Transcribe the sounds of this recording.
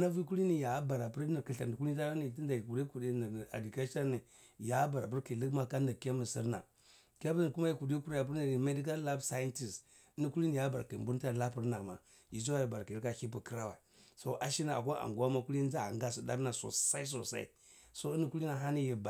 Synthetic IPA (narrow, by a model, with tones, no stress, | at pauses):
na˦vi˦ku˦li˦ni˦˨ja˨˦ba˨ɾa˨pu˦ɾni˨kə˨a˨di˨ku˦i˦ta˦ni˨t̬i˦nda˨ji˨ku˨ɾi˦ku˨ɾi˦n˨a̰˨di˨ka˦ʃa˦ni˨ | ja˨˦ba˨ɾa̰˨p̬u˦ɾklə˦kma˦ka˦ni˨ka˦mi˨sḭ˦ɾna̰˨ | ka˦pə˦ni˨ku˦ma˦ji˦ku˨di˦ku˦ɾa˦ja˨p̬u˦ɾna˨i˨me˦di˦k̬a˦lla˦bsa˦ji˦nti˨s | i˦ni˦ku˦li˦ni˨ja˦ba˨ɾa̰˨ki˨m˨bu˦n˦ta˦˨la˦pi˦ɾna˨ma˨ | ji˨s̬o˦wa˦ji˨ba˨ɾa˨ki˨i˦ka˦˨i˦pu˨kə˦ɾa˦wa̰˨ | so˦ʔa˨ʃi˦na˨a̰˨ko˦ʔa̰˨ŋɡwa˦ma˦ku˦li˦d͡ʒa˦a̰˨ŋɡa˦su˨da̰˦kna˨so̰˨sa˦i˦s̬o˨sa̰˦ḭ˦ | so˦i˦ni˦ku˦li˦na˨ɦa˦ni˦ji˨ba˨